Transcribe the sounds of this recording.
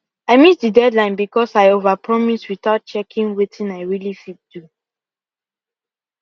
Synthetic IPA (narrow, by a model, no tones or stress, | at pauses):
aɪmisdidɛdlãɪ̃nbikɔsaɪovapɹɔmiswiθaʊt̚t͡ʃɛkĩnwetʰĩnaɪɹilifit̚d̥u